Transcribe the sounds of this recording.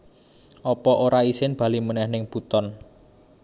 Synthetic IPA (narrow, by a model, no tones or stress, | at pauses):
ʔɔpɔʔoɾaisɪnb̥ä̤limənɛhnɪŋb̥ut̪ɔn